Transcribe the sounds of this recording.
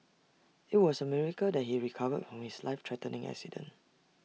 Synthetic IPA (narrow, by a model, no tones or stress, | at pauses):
ɪt̚wɔsəmɛɹikədɛt̚hiɹikʰavədfɹɔ̃mhislaɪftʰɹɛtənɪ̃ŋɛ̰ksidə̰̃n